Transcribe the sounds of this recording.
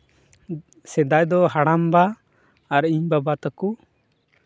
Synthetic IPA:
sɛd̪ajd̪ɔɦaɽambaː | ɾiɲbabat̪əku

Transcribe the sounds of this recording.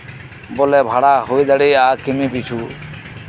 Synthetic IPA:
bolɛːbʱaɽaːɦoiɗ̪əɽeːaːkɪmĩːpiːt͡ʃʰuː

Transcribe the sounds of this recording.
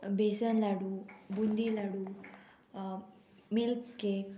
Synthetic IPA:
besanlaɽubund̪ilaɽu | milkːek

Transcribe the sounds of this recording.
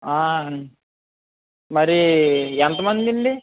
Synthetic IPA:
aː | mɐɾiɛnt̪ɐmɐnd̪iɳɖi

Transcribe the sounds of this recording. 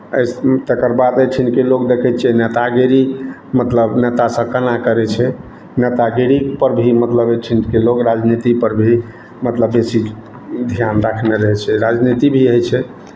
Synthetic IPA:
əjst̪ekəɾbad̪əjt͡ʃʰinkelokd̪ekʰɛt͡ʃʰɛnet̪aɡeɾimət̪ləbnet̪asə̃kənakəɾɛt͡ʃʰɛ | net̪aɡeɾipəɾbʱimət̪ləbəʈʰinkelokɾad͡ʒnit̪ipəɾbʱi | mət̪ləbːesi | d̪ʱijanɾakʰneɾəɦɛt͡ʃʰɛɾad͡ʒnit̪ibʱiɦəjt͡ʃʰɛ

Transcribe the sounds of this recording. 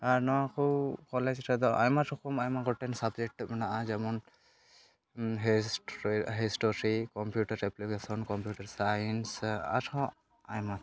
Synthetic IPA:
aɾnɔwakʰukɔlɛd͡ʒɾɛd̪ɔʔa̰jmat̪ʰɔkɔmajmaɡɔʈɛnsabd͡ʒɛk̚ʈːmɛnaʔad͡ʒamɔn | ɦesɦesʈɔɾikɔmpjuʈaɾɛplikesɔnkɔmpjuʈaɾsajnsa̰thɔ̃ | ajmat̪

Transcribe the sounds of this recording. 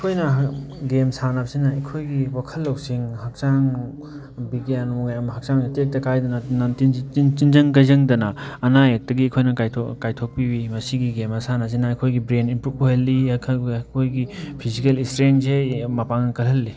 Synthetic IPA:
ɐkʰojnɐɡemsanapsinɐɐkʰojɡiwakʰɐlːɐwsiŋɦɐk̚t͡ʃaŋ | biɡianmuɡajɐmɐɦɐk̚t͡ʃaŋatek̚tɐkajdɐnɐnatintintinzɐŋkɐjzɐŋdɐnɐːnajɐk̚tɐɡiɐkʰojnɐkajʰkajtʰok̚piwimɐsiɡiɡemɐsanas̬inɐɐjkʰojɡibɾeninpɾup̚oɦelːikʰkʰojɡipʰizikelistɾensemɐpaŋnɐkɐlɦɐlːi

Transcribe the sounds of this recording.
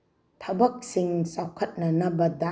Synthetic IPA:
t̪ʰabak̚siŋsakʰːat̪̚nanabad̪a

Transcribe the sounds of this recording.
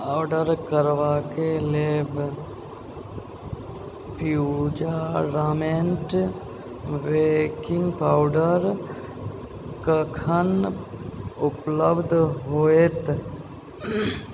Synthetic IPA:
aːwɖəɾkəɾʋaːkeleːb | pud͡ʒaɾaːmeɳʈ | ʋekɪ̃ŋɡpaːʊɖəɾ | kəkʰən | ʊpləbd̪ʱɦoːet̪

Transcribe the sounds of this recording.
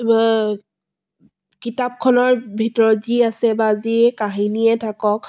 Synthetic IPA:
kitap̚kʰɔnɔɹbʱitɔɹɔziasɛbazikaɦiniɛtʰakɔk̚

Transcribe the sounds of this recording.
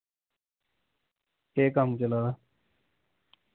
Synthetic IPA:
keːkamt͡ʃəlaːd̪aː

